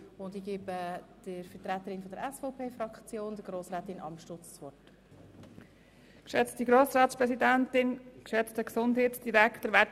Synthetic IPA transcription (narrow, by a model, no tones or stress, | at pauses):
ʊnd̪iɡeːbəd̥əɾfətɾæt̪ːəɾɪnfɔdəɾɛsfɔʊpʰeːfɾɑkt͡sjoːnd̪əɾɡ̥ɾoːsɾɛːt̪ɪnɑ̰mʃtʊt͡st͡sʋɔɹt | kʃɛt͡stiɡɾoːsɾaːtspɾɛsidæntɪnkʃɛt͡stəksʊndheːtsd̥iɾækt̪əɾʋæ